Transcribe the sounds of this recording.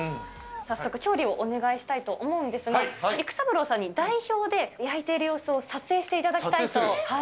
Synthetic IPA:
sasːo̞kɯ̟̥t͡ɕo̞ːɾʲio̞ʔone̞ɡaiɕi̥t̪ait̪o̞ʔomo̞ɯ̃nd̪e̞sɨɡaikɯ̥sabɯ̟ɾo̞ːsãɲ̟ːid̪aiço̞ːd̪e̞jait̪e̞iɾɯ̟jo̞ːsɨo̞sat͡sɨe̞ːɕi̥t̪e̞it̪ad̪akit̪at̪oha

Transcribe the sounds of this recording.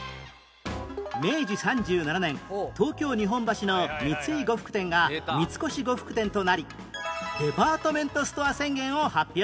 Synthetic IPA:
me̞ːd͡ʑisãɲ̟d͡ʑɨːnananẽ̞nt̪o̞ːkʲo̞ːɲ̟iɦõ̞mbaɕino̞mʲit͡sɨiɡo̞ɸɯ̥kɯ̟̥t̪ẽ̞ŋɡamʲit͡sɨ̥ko̞ɕiɡo̞ɸɯ̥kɯ̟t̪ẽ̞nt̪o̞naɾʲi | d̪̥e̞paːt̪omẽ̞nt̪o̞sɨ̥t̪o̞asẽ̞ŋɡẽ̞ɰ̃o̞hapʲːjo

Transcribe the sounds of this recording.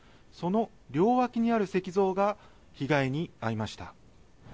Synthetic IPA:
so̞no̞ | ɾʲo̞ːβakʲiɲ̟iaɾɯ̟se̞kʲizo̞ːɡa | çiɡaiɲ̟iaɾimaɕi̥t̪a̰

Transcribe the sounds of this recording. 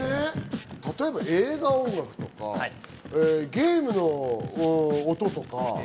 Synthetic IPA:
net̪at̪o̞e̞baʔe̞ːɡaõ̞ŋɡakɯ̟̥t̪o̞ka̰a | eɡʲe̞ːmɯ̟no̞ | t̪o̞t̪o̞ka

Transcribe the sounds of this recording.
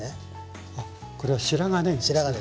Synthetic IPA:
a | koɾeβaɕiɾaŋanẽɾaa

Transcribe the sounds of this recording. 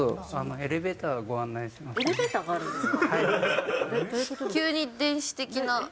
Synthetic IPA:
oanoe̞ɾe̞be̞ːt̪aːɡaɡo̞ãnːaĩɕimaseɾebeːt̪aːɡaːɾɯ̟̃esha | kʲɨːɲ̟id̪ẽ̞ɰ̃ɕi̥t̪e̞kʲina

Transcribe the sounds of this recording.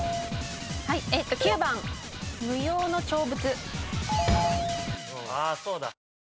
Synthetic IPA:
haieːt̪ːo̞kʲiɯbãŋmɯ̟jo̞ːno̞t͡ɕo̞ːbɯ̟t͡sɨ | oasoːd̪a̰

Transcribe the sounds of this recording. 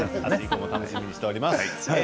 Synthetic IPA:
a̰ikomot̪anoɕimʲiɲ̟iɕi̥t̪e̞oɾʲimas | haj

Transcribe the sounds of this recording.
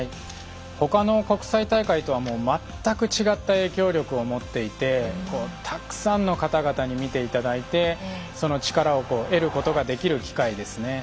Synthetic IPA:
hai | ho̞kano̞ko̞kɯ̟̥sait̪aikait̪o̞β̞amo̞ːmat̪ːakɯ̟t͡ɕiɡat̪ːae̞ːkʲo̞ːɾʲo̞kɯ̟omo̞t̪ːe̞it̪e̞ko̞ːt̪ʰakɯ̟̥sãnːo̞kat̪aɡat̪aɲ̟imʲit̪e̞it̪ad̪ait̪e̞so̞no̞t͡ɕi̥kaɾao̞ko̞ːʔe̞ɾɯ̟ko̞t̪o̞ɡad̪e̞kʲiɾɯ̟kʲi̥kaid̪e̞sɨne̞

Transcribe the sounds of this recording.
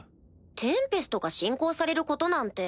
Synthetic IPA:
t̪ʰẽ̞mpe̞sɨ̥t̪oɡaɕĩŋko̞ːsaɾe̞ɾɯ̟ko̞t̪o̞nãnt̪e̞

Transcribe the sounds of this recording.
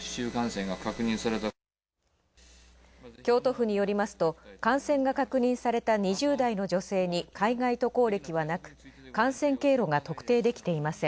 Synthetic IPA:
ɕɨːkãɰ̃sẽ̞ŋɡakakɯ̟ɲ̟ĩsaɾe̞t̪a | kʲo̞ːt̪o̞ɸɯ̟ɲ̟ijo̞ɾʲimasɨ̥t̪o̞kãɰ̃sẽŋɡakakɯ̟ɲ̟ĩɰ̃saɾe̞t̪aɲ̟iʑɨːd̪aino̞ʑo̞se̞ːɲ̟ikaiɡait̪o̞ko̞ːɾʲe̞kʲiβanakɯ̟̥kãɰ̃sẽ̞ŋke̞ːɾo̞ɡat̪o̞kɯ̟̥t̪e̞ːd̪e̞kʲi̥t̪e̞imasẽ̞

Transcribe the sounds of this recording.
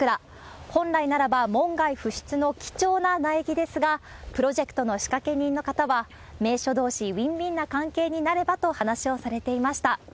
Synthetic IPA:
kɯ̟ɾa | hõ̞nɾainaɾabamõ̞ŋɡaiɸɯ̟ɕi̥t͡sɨno̞kʲi̥t͡ɕo̞ːnanaekʲid̪e̞sɨɡapɯ̟ɾo̞ʑe̞kɯ̥t̪o̞no̞ɕi̥kake̞ɲ̟ĩnːo̞kat̪aβa | me̞ːɕo̞d̪o̞ːɕiβʲĩmbʲĩnːakãŋke̞ːɲ̟inaɾe̞bat̪o̞hanaɕio̞saɾe̞t̪e̞imaɕi̥t̪a

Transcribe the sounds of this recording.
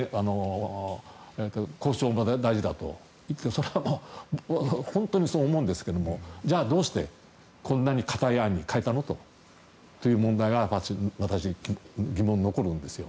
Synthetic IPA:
ano̞ | et̪ːoko̞ːɕoːmod̪aiʑid̪at̪o̞̰ | it̪ːeso̞ɾeβamo | hõ̞nt̪o̞ɲ̟iso̞ːmo̞ɯ̃nd̪e̞sɨ̥ke̞d̪omo̞d͡ʑaːd̪o̞ːɕi̥t̪e̞̰ | kʰõ̞nːaɲ̟ikʰḁt̪aiaɲ̟ːikaet̪ano̞t̪o̞̰ | t̪ojɯ̟ːmõnd̪aiɡaaɕiβat̪aɕiɡʲɡʲimõ̞nːoko̞ɾɯ̟̃nd̪e̞sɨjo̞̰

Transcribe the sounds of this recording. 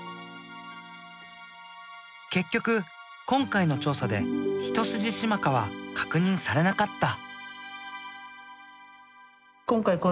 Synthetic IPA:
ke̞kʲːo̞kɯ̟ | kõ̞ŋkaino̞t͡ɕo̞ːsad̪e̞̰çi̥t̪o̞sɨʑiɕimakaβa̰kʰḁkɯ̟ɲ̟ĩɰ̃saɾe̞nakat̪ːa | kõ̞ŋkaiko

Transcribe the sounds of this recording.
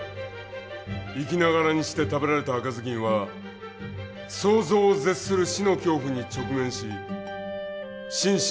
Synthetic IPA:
ikʲinaɣaɾaɲ̟iɕi̥t̪e̞t̪abe̞ɾaɾe̞t̪aːkazɨkʲĩɰ̃βa | so̞ːzo̞ːze̞t͡sɨ̥sɨɾɯ̟ɕino̞kʲo̞ːɸɯ̟ɲ̟it͡ɕo̞kɯ̟mẽ̞ɰ̃ɕi | ɕĩɰ̃

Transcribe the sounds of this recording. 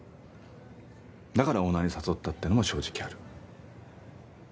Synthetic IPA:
d̪akaɾao̞nːaɲ̟isaso̞t̪ːat̪ːenomo̞ɕo̞ːʑi̥kʲiaɾɯ̟

